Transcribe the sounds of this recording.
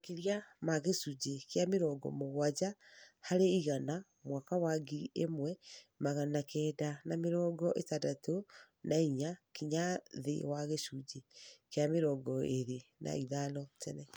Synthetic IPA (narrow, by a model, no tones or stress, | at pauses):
keɾjamaɣesud͡ʒekeameɾɔːɡɔ̰moɣwad͡ʒahaɾeiɣana | mwakawaɡiiemwɛmaɣanakʰɛːdanameɾɔːɡɔʔetadato | naiɲakiɲaðḛwaɣeʃuɟekeameɾɔːɡɔeɾenʔa̰iðanɔtɛnɛ